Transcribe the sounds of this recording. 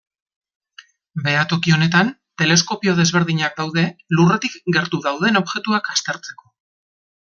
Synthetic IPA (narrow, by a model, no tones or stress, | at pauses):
be̞at̪o̞kio̞ne̞t̪ant̪e̞le̞sko̞pio̞ð̞e̞zβe̞ɾðiɲak̚d̪awðe̞luret̪ikɡe̞ɾt̪uðawð̞e̞no̞βʝe̞t̪uakast̪e̞ɾt͡se̞ko̞